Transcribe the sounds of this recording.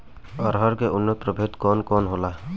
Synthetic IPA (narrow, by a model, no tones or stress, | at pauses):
ɔɾɦɔɾkeʔʊnːət̪̚pɾɔbʱet̪kɔnkɔnɦola